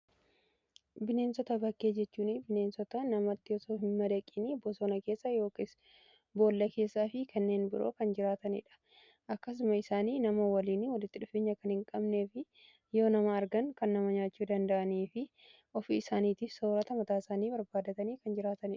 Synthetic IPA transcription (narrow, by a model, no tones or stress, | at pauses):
bɪne̞ːnsɔt̪ɐbɐkːe̞ːd͡ʒɛt͡ʃːuːnɪbɪne̞ːnsɔt̪ɐnɐmɐt̪ːɪɔsoːɦɪmːɐd̪ɐkʼːinibosoːnɐke̞ːsːɐjo̞ːkes | bo̞ːlːɐke̞ːsːaːfɪkɐnːeːnbɪɾʔo̰ːkɐnd͡ʒɪɾaːt̪ɐnɪ̰ᶑɐ̥ | ʔɐkːɐs̬ʊmɐɪsaːniːnɐmowɐliːnɪwɔlɪt̪ːɪᶑʊfeːɲːɐkɐnhɪŋkʼɐbneːfɪ | jo̞ːnɐmɐːɾɡɐŋkɐnːɐmɐɲaːt͡ʃːuːd̪ɐnd̪ɐʔɐniːfɪ | ʔɔfɪɪsaːniːt̪iːfso̞ːɾɐt̪ɐmɐt̪aːsaːniːbɐɾbaːd̪ɐt̪ɐniːkɐnd͡ʒɪɾaːt̪ɐnɪᶑɐ̥